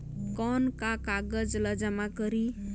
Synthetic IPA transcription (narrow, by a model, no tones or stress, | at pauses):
kɔnkakaɡəd͡zləd͡ʒamakəɾi